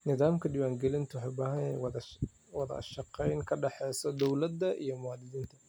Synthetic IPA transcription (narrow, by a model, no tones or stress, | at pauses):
nɪðaːmkʰɐɖɪwaːŋɡɛlɪnt̪ʰʊwħɑjbaːhɐnɛw | wɑðɐ̰ʃɑqɛjnkʰɐɖɛħɛːsɔd̪ɔwlɐd̪ːɐʔḭjɔmʊwaːd̪ɪðiːnt̪ʰɐ̥